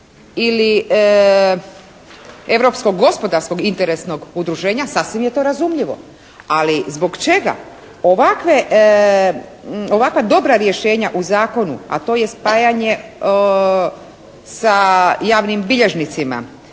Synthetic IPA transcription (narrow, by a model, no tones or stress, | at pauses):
ili | e̞ʋɾo̞psko̞ɡːo̞spo̞d̪aɾsko̞ɡint̪eɾesno̞ɡud̪ɾuʒe̞ːɲasasʋimjet̪o̞ːɾazumʎiʋo̞̰ | alizbo̞ɡt͡ʃe̞ɡa̰ | oʋakʋe | o̞ʋakʋad̪o̞bɾaɾje̞ʃe̞ːɲaʔuzaːko̞nṵa̰t̪o̞ːje̞spaːjaɲe | sajaːʋnimbiʎeʒnit̪sima̰